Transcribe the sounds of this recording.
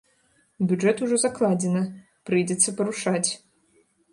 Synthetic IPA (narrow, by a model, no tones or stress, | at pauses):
bʲuʐɛt̪uʐɔzaklˠad͡zʲɛnɨ | pɾɨjd͡zʲɛt̪sːɐpɐɾuʂat͡sʲ